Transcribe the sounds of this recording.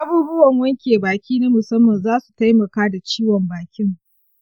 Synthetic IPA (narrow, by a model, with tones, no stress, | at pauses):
ʔa˦buː˦bʊ˦wɐ˨ŋwɐ˦ŋkʲeː˨baː˨kʲiː˦na˦mʊ˨sɐ˦mːɐ˨nzaː˦su̥˨ta˦jmɐ˨kaː˦da˨t͡ʃiː˦wɔ˨mbaː˨kʲɪ˦ŋ